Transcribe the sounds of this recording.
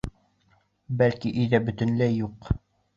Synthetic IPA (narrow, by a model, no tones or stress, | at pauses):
bælkiʔiðæbɵ̆t̪ɵ̆nlæjuq